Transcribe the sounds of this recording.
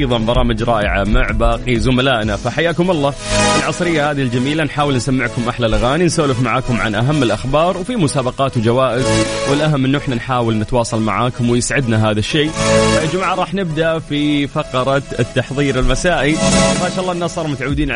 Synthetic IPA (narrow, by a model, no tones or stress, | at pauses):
jðˤɑnbɑɾˤɑːmɪd͡ʒɾˤɑːʔɪ̰ʕa̰mʊʕbaːqizʊmalaːʔnafaħajːaːkʊmɑlˤːɑːɪlʕɑsˤɾɪjːahaːðild͡ʒamiːlanħaːwɪlnsamːɪʕkʊmʔaħlalʔaɣaːninsaːlɪfmaʕaːkʊmʕa̰nʔaɦamːɪlʔaxbɑːɾˤwfimʊsaːbɑqɑːt̪wd͡ʒawaːʔɪzwɪlʔaɦamːʔɪnːʊʔɪħnanħaːwɪlnɪt̪wɑːsˤɑlma̰ʕaːkʊmwɪjɪsʕɪd̪naɦaːðaʃːeːaʔd͡ʒmaʕaɾˤɑːħnɪb̚d̪aʔfifɑqɑɾˤɑt̪ːɑħðˤiːɾɪlmasaːʔimaːʃaʔlːˤɑːʔnːasˤɑːɾˤmʊt̪ʕawːd̪iːnʕ